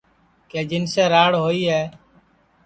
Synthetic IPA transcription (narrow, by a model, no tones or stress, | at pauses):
keːd͡ʒɪnseːɾaːɽɦoːiːɦɛː